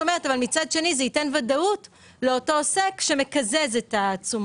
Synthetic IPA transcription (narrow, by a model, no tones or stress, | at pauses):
ome̞ʁetavalmit͡sad̪ʃe̞nizeitenvadaut | le̞o̞to̞sekʃe̞me̞kaze̞zetaːt͡sum